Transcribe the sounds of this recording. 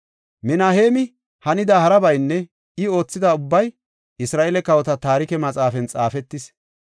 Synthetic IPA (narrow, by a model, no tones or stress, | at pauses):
mɪnaːhe̞ːmɪ | hɐnɪd̪aːhɐɾɐbɐjnːɛ | ɪo̞ːt͡sːɪd̪aːʊbːɐj | ʔɪsɾaːʔelɛkɐwɔt̪ɐt̪aːɾɪkɛmɐt͡sʼaːfɛnt͡sʼaːfɛt̪ːɪs